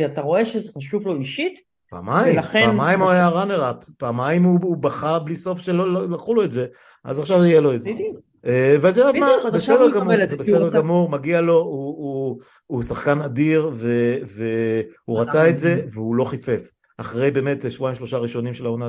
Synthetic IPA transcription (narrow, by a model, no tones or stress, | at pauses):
ataʁo̞e̞ʃezeχaʃuvlo̞iʃit | pa̰ːmajlaχepamajmajaʁaneʁappaːmajimuubaχabliso̞fʃelollaχulo̞etze̞ | ʔa̰zaχʃavajelo̞etze | eveazeatmabesedeʁɡamuzebesedeʁɡamuʁmaɡialo̞uuː | saχkanadiʁvevehuʁat͡saetze̞veulo̞χife̞f | aχʁe̞jbe̞ːmetʃvuaĩmʃlo̞ʃaʁiʃo̞nimʃelaona